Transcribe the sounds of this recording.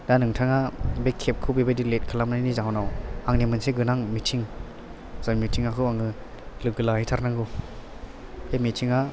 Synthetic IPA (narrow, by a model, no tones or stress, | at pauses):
danɯŋtʰaŋabekʰːep̚kʰɯbibadilet̚kʰalamnajnizaɦwnawaŋnimɯnseɡɯnaŋmitʰiŋ | z̥anmitʰiŋakʰɯwaŋɯ | lɯɡɯlahitʰaɾnaŋɡɯ | ejmitʰiŋa